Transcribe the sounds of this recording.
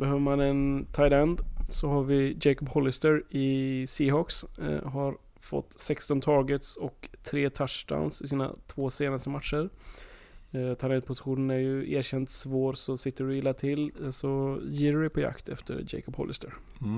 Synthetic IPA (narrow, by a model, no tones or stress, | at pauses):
bɛɦøːvəɾmanɛnt̪ʰajland̪sɔɦaɾvɪd͡ʒɛjkɔbhɔlːɪst̪əɾɪsiːɦɔksɦaɾ | fɔ̰t̪ːsɛkst̪ɔnt̪ʰɑːɾɡət̪sɔkt̪ʰɾeːt̪ʰaʂʈa̰nsɪsiːna̰t̪ʰvoːseːnast̪əmat̪ʂəɾ | t̪ʰaɪlɛnd̪̚pʰʊsɪ̥ɧuːnənæɾjɵʔeːɾɕɛnt̪svoːɾsɔsɪt̪ːəɖʊjɪlːat̪ʰɪlsɔjiːɾɖɛpʰɔja̰kt̪ʰɛ̰ft̪ʰə̰ɾd͡ʒɛ̰ɪkɔbhɔ̰lɪ̰st̪ə̰ɾ